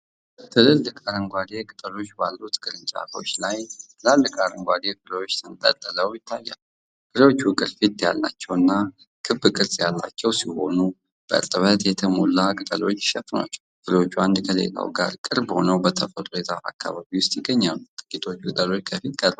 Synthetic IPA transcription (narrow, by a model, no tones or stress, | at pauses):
t̪ʰɨlɨlːɨkʼaɾəŋɡʷad̪ekʼɨt̪ʼəlo̞t͡ʃːbalːut̪ɡɨɾɨt͡ʃʼa̰ko̞̰t͡ʃːlajt̪ɨlalːɨkʼaɾəŋɡʷad̪ekɨɾewo̞t͡ʃːt̪ʰɨnt̪ʼət̪ʼːələwjɪt̪ʰːajːa̰lu | kɨɾewot͡ʃːwɨkʼɨɾfit̪ja̰lːa̰t͡ʃːɛwɨnːa | kʰɨbːɨkʼɨɾzʼjalːa̰t͡ʃːɛwsiho̞nu | b̥əɨ̰ɾt̪ʼɨβət̪jɛt̪ʰəmolːakʼɨt̪ʼəlo̞t͡ʃːʃɛfna̰t͡ʃːɛwfɨɾot͡ʃːuand̪kʰəlḛlʼa̰wɡa̰ɾkʼɨɾbho̞̰nəwbət̪ʰəfəluɾet̪ʰaʔa̰kʰːa̰βaβiwʊst̪jɪɡːəɲːalut̪ʼɨ̥kʼit̪ʰo̞t͡ʃːkʼɨt̪ʼəlo̞t͡ʃːkʰəfit̪ɡəlba